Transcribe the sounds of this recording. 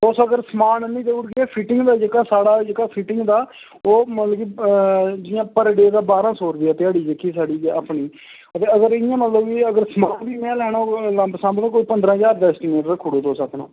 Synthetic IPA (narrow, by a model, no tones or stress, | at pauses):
t̪oːsoːəɡəɾsəmaːnnĩːd̪eːʊɽɡɛːpʰiːʈɪŋɡd̪aːd͡ʒeːkaːsaːɽaːd͡ʒeːkaːpʰiːʈɪŋɡd̪aː | oːmət̪ləɡi | d͡ʒɪjãːpəɾɖeːd̪aːbaːɾãːsoːɾd̪iːɛːt̪ɪaːɽiːd͡ʒekʰiːsaːɖiːd͡ʒaːpɳiː | ət̪eːəɡəɾɪjãːmət̪ləbiːəɡəɾsəmaːnbiːmɛ̃ːlɛːɽõːlabsãːmbd̪ãːkoːiːpənd̪ɾãːɦəzaːɾɖɛːsʈineːʈɾãːkʰʊɽoːd̪oːsəknõ̰ː